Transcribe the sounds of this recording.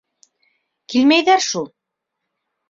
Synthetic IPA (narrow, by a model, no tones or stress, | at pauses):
kilmæjðæɾʃulˠ